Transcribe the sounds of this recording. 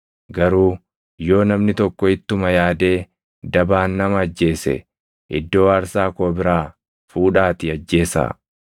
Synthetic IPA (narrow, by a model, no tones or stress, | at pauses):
ɡɐɾuː | jo̞ːnɐmnɪt̪ɔkːɔɪt̪ːʊmɐjaːd̪e̞ː | d̪ɐbaːnːɐmɐɐd͡ʒːe̞ːsɛ̰ | ʔɪd̪ːo̞ːɐɾsaːkoːbɪɾaː | fuːᶑaːt̪ɪɐd͡ʒːe̞ːsa̰ː